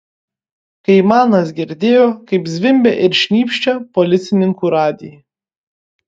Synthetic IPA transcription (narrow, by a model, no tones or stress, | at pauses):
kɐɪmɑːnɐs̬ɡʲɪɾʲd̪ʲeːjoːkɐɪpzʲʋʲɪmʲbʲɛʔɪɾʃʲnʲiːpʲʃʲt͡ʃʲɛpɔlʲɪt̪sʲɪnʲɪŋkuːɾɑːd̪ʲɪj